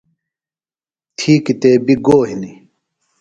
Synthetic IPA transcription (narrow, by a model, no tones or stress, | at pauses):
t̪ʰiːkit̪eːbiɡoːɦini